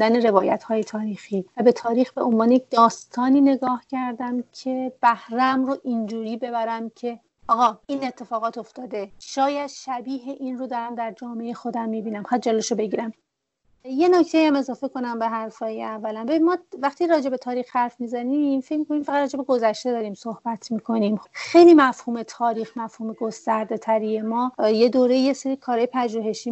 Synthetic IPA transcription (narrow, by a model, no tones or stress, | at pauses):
d̪æne̞ɾe̞vɒːjæt̪hɒːjet̪ʰɒːɾiːxiːvæbe̞t̪ʰɒːɾiːxbe̞ʔo̞nvɒːnejec̚d̪ɒːst̪ʰɒːniːne̞ɡɒːhcʰæɾd̪æmcʰe̞b̥æhɾæmroʔind͡ʒuːɾiːbe̞bæɾæmcʰe̞ | ɒːɣɒːiːne̞t̪ʰːe̞fɒːɣɒːt̪o̞ft̪ɒːd̪e̞ʃɒːjæd̪ʃæbiːɦeʔinrod̪ɒːɾæmd̪æɾd͡ʒɒːmeeexo̞d̪æmːibiːnæmχæd̪̚d͡ʒɒleʃobe̞ɟiːɾæm | je̞nocʰt̪ʰe̞jiæme̞zɒːfe̞ko̞næmbe̞ɦæɾfɒːjeævːælænbe̞binmɒːvæχt̪iɾɒːd͡ʒe̞be̞t̪ʰɒːɾiːxhæɾfmiːzænimfe̞cʰmiko̞nimfæʁæd̪ɾɒːd͡ʒe̞beɡo̞zæʃt̪ed̪ɒːɾiːmsohb̥æt̪ʰmiːkʰo̞nimxe̞jliːmæfhuːme̞t̪ʰɒːɾiːxmæfhuːmeɡost̪æɾd̪e̞t̪ʰæɾije̞mɒːjed̪oːɾejjeseɾiːkʰɒːɾɒːjepʰæʒuːɦe̞ʃiː